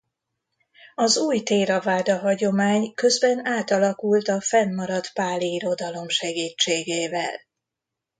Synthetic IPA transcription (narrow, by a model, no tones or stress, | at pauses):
ɒzuːjt̪eːɾɒvaːd̪ɒɦɒɟo̞maːɲkø̞zbɛnaːt̪ɒlɒkult̪ɒfɛnːɒɾɒt̪paːliiɾo̞d̪ɒlo̞mʃɛɡiːt͡ʃːeːɡeːvɛ̰l